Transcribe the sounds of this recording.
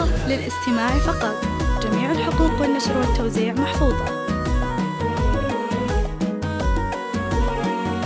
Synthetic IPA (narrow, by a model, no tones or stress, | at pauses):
lɪlʔɪst̪ɪmaːʕifɑqɑt̪ˤ | d͡ʒamiːʕalħʊquːqwɪnːaʃɾwat̪ːowziːʕmaħfuːðˤɑ